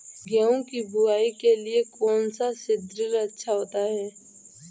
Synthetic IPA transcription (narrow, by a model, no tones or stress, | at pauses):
ɡɛõkibʱʊaːikeliekɔːnsasɪd̪ɾɪɾɐtːʃʰaɦoːt̪aɦɛː